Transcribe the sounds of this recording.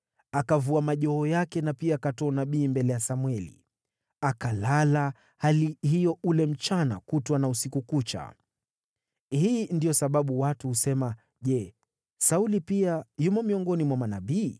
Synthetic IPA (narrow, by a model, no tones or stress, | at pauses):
akavuamaʄɔɦɔjakɛnapiaːkatɔːnaɓiːmbɛlɛjasamwɛlḭ | akalala | halihijɔʔulɛm̩t͡ʃana̰kutwanausikukut͡ʃa̰ | hiːndijɔsaɓaɓuwatuhusɛma | ʄɛ | saulipiajumɔmiɔŋɡɔnimwamanaɓiː